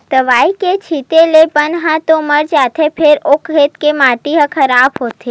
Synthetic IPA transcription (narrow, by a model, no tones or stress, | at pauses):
t̪əʋaːiket͡ʃʰit̪elepənɦãt̪oməɽd͡ʒaːt̪ʰepʰeɾokɦet̪kemãʈiɦə̃kʰəɾabɦot̪ʰe